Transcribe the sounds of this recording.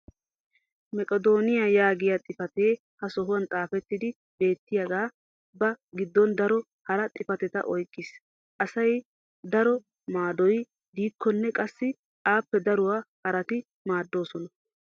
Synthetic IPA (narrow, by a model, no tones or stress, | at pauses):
mɛkʼɔd̪o̞ːnɪjajaːɡɪjat̪ʼɪfɐt̪eː | hɐsɔɦʊwɐnt̪ʼaːfɛt̪ːɪd̪ɪ | be̞ːt̪ːɪjɐɡaː | bɐɡɪd̪ːɔnd̪ɐɾɔ | hɐɾɐt̪ʼɪfɐt̪ɛt̪ɐ̰ʔɔjkʼːɪs | ʔɐsɐj | d̪ɐɾɔ | maːd̪ɔj | d̪iːkʰːɔnːɛkʼɐsːɪ | ʔaːpːɛd̪ɐɾʊwaːhɐɾɐt̪ɪ | maːd̪ːo̞ːsɔnɐ